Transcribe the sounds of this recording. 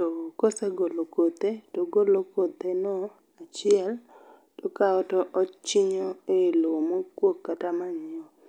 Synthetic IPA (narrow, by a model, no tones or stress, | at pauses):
tokoseɡolokot̪etoɡolokot̪enɔ | at͡ʃɪɛl | tɔkaɔtɔʔɔt͡ʃɪɲɔelomokwokːatamaɲiɔ